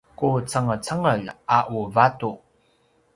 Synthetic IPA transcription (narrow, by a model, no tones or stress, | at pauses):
kut͡səŋət͡səŋəlaʔuvatu